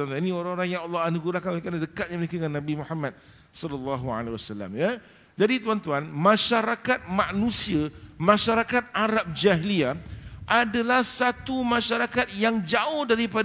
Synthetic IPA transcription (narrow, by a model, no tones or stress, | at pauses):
ninĩoɾaŋoɾaŋjaŋɔlːɔɦanəɡulakanekanadəkat̪̚ɲaməɾekəŋanːãbimuhamːãt̪̚ | sɔlɔlːɑɦua̰lwasalːa̰mja | d͡ʒadit̪uant̪uanmãʃaɾakat̪̚mãʔnũsiamãʃaɾakat̪̚aɾap̚d͡ʒaɦiliaʔadalahsat̪umãʃaɾakat̪̚jaŋd͡ʒaʊhdaɾipad